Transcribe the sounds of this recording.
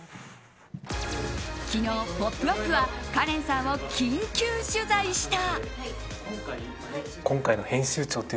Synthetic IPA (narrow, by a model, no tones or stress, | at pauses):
kʲino̞ːpopːɯ̟ɾokːɯ̟βakaɾẽ̞ɰ̃sãɰ̃o̞kʲĩŋkʲɨːɕɨzaiɕi̥t̪a | kõ̞ŋkainohẽ̞ɰ̃ɕɨːt͡ɕo̞ːt̪ːe